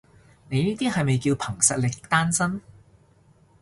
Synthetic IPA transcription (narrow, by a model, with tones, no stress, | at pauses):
ne˨˧jniː˥t̪iː˥hɐ˨jmɐ˨jkiː˧wpʰɐ˨˩ŋsɐ˨t̚lɪ˨k̚t̪aː˥nsɐ˥n